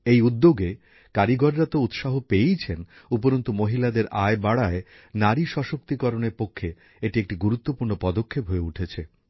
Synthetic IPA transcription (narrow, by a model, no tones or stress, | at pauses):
ejud̪ːoɡe | kaɾiɡɔɾɾat̪out̪ʃaɦopejt͡ɕʰen | upoɾont̪omoɦilad̪eɾaebaɽae | naɾiʃɔʃok̚t̪ikɔɾoneɾpokʰːe | eʈiek̚ʈiɡuɾut̪ːopuɾnopɔd̪okʰːepɦoeuʈʰet͡ɕʰe